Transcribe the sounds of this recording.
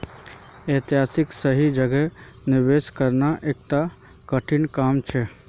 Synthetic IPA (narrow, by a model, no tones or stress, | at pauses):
et̪iɦasɪksəɦid͡ʒəɡɛnɪɾʋeskəɾnaʔek̚ʈ̪a | kəʈʰinkamt͡ʃʰɛ